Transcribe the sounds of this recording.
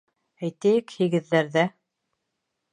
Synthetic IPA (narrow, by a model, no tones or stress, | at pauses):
æjt̪æjɘkhiɣɘ̆ðːæɾðæ